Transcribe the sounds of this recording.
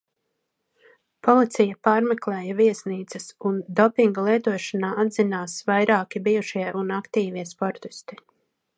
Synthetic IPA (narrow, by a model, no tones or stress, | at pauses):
pʰɔlˠit̪sɛjɐpaːɾmɛklˠɛːjɐviɛsniːt̪sɐsund̪ɔpiŋɡalˠiɛt̪uɔʃanaːad̪zinaːsvajɾaːkibijuʃiɛʔunakt̪iːviɛspɔɾt̪i̥st̪i̥